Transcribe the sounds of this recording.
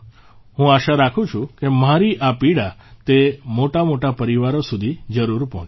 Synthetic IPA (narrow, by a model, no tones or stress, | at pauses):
ɦũaʃaɾakʰũt͡ʃʰũkemaɾiʔapiɽat̪emoʈamoʈapəɾiʋaɾosud̪ʱid͡ʒəɾuɾpɔ̰̃t͡ʃ